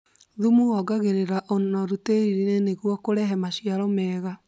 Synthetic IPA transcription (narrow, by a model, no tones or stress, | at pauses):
ðumuɔɡaɣeɾeɾaʔonnɔɾuteɾiɾeneneɣwɔkoɾɛɦɛmaɕiaɾɔmɛːɣa